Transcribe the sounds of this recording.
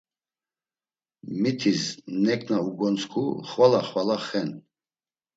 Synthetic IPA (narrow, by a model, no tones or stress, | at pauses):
mit̪ʰisnɛkʰnauɡɔnskʰṵχwalaχwalaχɛn